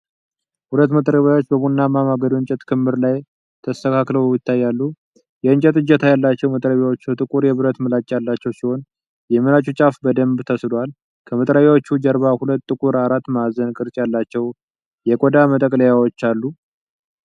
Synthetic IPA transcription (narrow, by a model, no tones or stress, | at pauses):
hulət̪ːmət̪ʼɾəβjawo̞t͡ʃːbəβunːamamaɡəd̪uɨɲt͡ʃʼɛt̪kʰɨmːɨɾlaj | t̪ʰəst̪əkʰakləwjɪt̪ʰːajːalːu | jɛɨɲt͡ʃʼɛt̪ɨd͡ʒɛt̪ʰajalːat͡ʃːɛwmət̪ʼɾəβjawot͡ʃːət̪ʼɨkʼuɾjɛβɨɾət̪mɨlat͡ʃʼːjalːat͡ʃːɛwsiho̞n | jɛmɨlat͡ʃʼut͡ʃʼafbəd̪əmbt̪ʰəsɨlal | kʰəmət̪ʼɾəβjawot͡ʃːud͡ʒəɾβahulət̪ʼːɨkʼuɾaɾat̪ːmazənkʼɨɾt͡ʃʼjalːat͡ʃːɛw | jɛkʼod̪amət̪ʼəkʼləjawot͡ʃːalːu